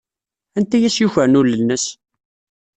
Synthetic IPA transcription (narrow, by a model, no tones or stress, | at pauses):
ænt̪æjæsjuçəɾnʊlːənːəs